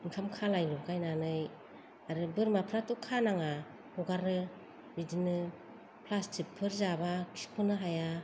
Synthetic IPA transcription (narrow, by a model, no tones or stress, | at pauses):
iŋkʰamkʰalajlukajnanɯj | aɾɯbɯɾmapʰɾatukʰːanaŋa | huɡaɾɯ | bidinɯ | pʰlastʰipʰːɯɾzabakʰi̥pʰɯnɯɦaja